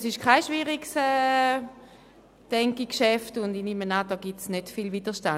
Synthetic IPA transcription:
sɪʃkʰaɪʃviʁiksɛ | d̥ɛŋkikʃɛftʊndinimənad̥ɔːɡ̥itsnøtfilvid̥əʃtan

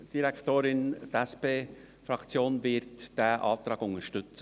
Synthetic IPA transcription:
d̥iɾɛktoːɾɪndɛspeː | fɾɑkt͡sjoːnvɪtd̥eːʔɑ̰ːft̪ɾɑːɡʊnəʃtʏt͡sə

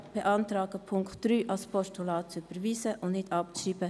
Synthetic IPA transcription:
b̥ɛʔɑnt̪ɾɑːɡəpʰʊŋktd̥ɾyːʔɑlspʰɔʃtulɑːtt͡syb̥əɾʋiːsəʔʊndnɪtʰɑp̚t͡siːbə

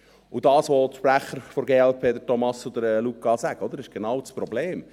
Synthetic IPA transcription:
ud̪ɑːsʋɔt̪ʃpɾæχːəɾfɔɾɡeːɛlpʰeːd̪əɾtɔmɑsud̪əɾlukːɑsæɡ̥əɔd̪əɾɪʃɡ̥enɑːwt͡spɾɔbleːm

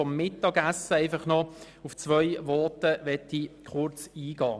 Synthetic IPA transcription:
ɔmːɪtɑːɡæsəaɪfɑχnɔ | ʊft͡sʋœjvɔʁtəʋɛtːikχʊɾt͡siːɡ̥ɑ̰ː

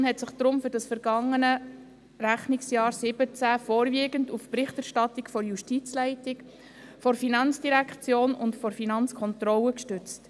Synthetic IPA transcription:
nhɛtsɪχd̥̪ɾʊmfʏɾd̥ɑsfɛɾɡ̥ɑŋːənə | ɾæχnɪksjɑːɾsɪb̥ət͡sæfɔːɾviːɡəndufprɪχtæɾʃtɑtɪkfɔɾjuʃtit͡slæɪtɪk | fɔɾfinɑnt͡sd̥iɾækχt͡sjoːnʊntfɔɾfinɑnt͡skʰɔntɾɔləkʃtʏt͡st

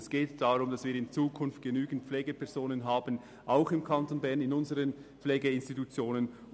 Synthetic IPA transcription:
sɡ̥eːtd̥aʁʊmd̥ɑsv̥iːɾɪnt͡suːkʰʊnft̚ɡ̥enyːɡn̩t̚p͡fflɛːɡəpʰɛɐzoːnənɦaːbən | ʔaʊxɪmkʰɑntoːnbɛʁnɪnʊnzəʁənpflɛːɡeɪnstitut͡sjoːnən

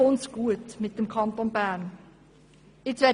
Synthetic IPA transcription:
ʊnsɡ̥uətmɪt̚d̥əmkʰɑnt̪onbæːn | ɪt͡sʋɛ

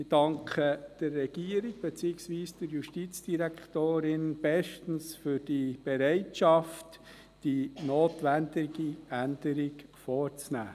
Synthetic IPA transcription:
ɪd̥ɑŋkʰχəd̥ərːɛɡ̥iːəɾɪɡ̚b̥ɛt͡siɪksʋiːsd̥əɾjuʃtit͡sd̥iɾæktoːɾɪnb̥ɛʃtn̩sfʏɾd̥ib̥ɛɾɛɪtʃɑft | d̥inoːtʋændɪɡiænd̥əɾɪkfɔːɾt͡snæ̰ː

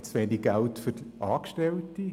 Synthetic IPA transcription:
t͡sʋeniɡ̚ɡæltfʏɾʔɑːkʃtɛlti

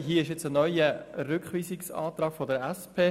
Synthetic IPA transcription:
ɦiːɪʃjɛt͡sənɔʏəɾʏkχʋiːsɪksɑ̰ːt̪ɾɑːɡ̥fɔdəɾɛspʰeː

